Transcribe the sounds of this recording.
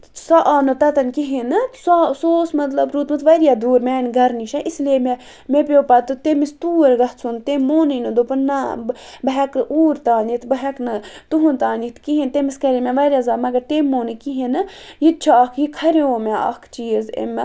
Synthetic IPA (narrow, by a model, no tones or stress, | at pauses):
sɐʔaːnɨt̪ɐt̪ɐnkiɦinɨsasoːsmɐt̪lɐbɾuːt̪mɨt̪ʋɐɾjaːd̪uːɾmɛːnɡɐɾniʃɐʔislieme | mepʲoːpɐt̪ɨt̪emist̪uːɾɡɐht͡sʰunt̪emːoːninɨd̪opɐnnːabɐɦɛknɨʔuːɾt̪aːnit̪bɐɦɐknɨt̪uɦunt̪aːnit̪kiɦint̪emiskɐɾemeʋɐɾʲjaːzaːmɐɡɐɾt̪emːoːnɨkiɦinɨjit̪̚t͡ʃʰakʰjikʰɐɾeoːmeɐ̰kʰt͡ʃiːzḛm